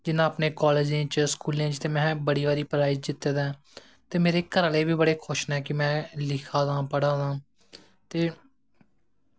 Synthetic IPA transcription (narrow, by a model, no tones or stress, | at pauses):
d͡ʒɪnãːəpneːkɔːleːd͡ʒẽːt͡ʃəskuːlẽːt͡ʃt̪eːmɛ̃ːbəɽiːʋaːɾiːpɾaːɪd͡ʒd͡ʒɪt̪ːeːd̪ɛ̃ː | t̪eːmeːɾeːkəɾəleːbʱiːbəɽeːkʰʊʃnɛːkɪmɛ̃ːlɪkʰaːd̪ãːpəɽãːd̪ãː | t̪eː